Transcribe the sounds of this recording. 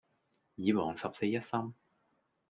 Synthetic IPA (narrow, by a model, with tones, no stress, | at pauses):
jiː˨˧wɔː˨˩ŋsɐ˨p̚se˧jɐ˥t̚sɐ˥m